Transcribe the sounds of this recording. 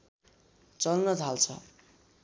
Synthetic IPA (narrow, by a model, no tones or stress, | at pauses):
t͡sʌlnʌd͡zʱalt͡sʰʌ̰